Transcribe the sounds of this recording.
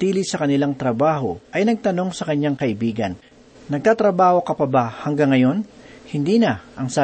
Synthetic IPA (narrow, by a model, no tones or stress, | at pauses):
t̪iːlɪsɐkɐnɪlaŋt̪ɾɐbaːɦo̞ʔɐjnɐɡ̚t̪ɐno̞ŋsɐkɐɲːaŋkɐʔɪbiːɡɐnː | ɐɡ̚t̪aːt̪ɾɐbaːho̞kɐpɐbahɐŋɡaŋːɐjo̞nhɪnd̪iːnɐʔɐŋsaː